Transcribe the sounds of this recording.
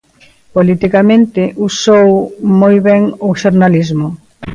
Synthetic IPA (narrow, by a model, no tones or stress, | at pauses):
polit̪ikamẽnt̪ɪʔusowmojβɛŋoʃoɾnalizmʊ